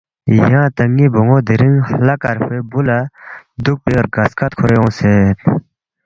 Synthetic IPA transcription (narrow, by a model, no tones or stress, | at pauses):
jaŋt̪əŋːiboŋod̪eɾəŋlakarpebulad̪uk̚peɡaskat̪̚kʰoɾjoŋset̪̚